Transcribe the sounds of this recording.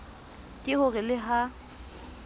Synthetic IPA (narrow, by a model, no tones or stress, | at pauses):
tʼɪhʊrɪlɪɦa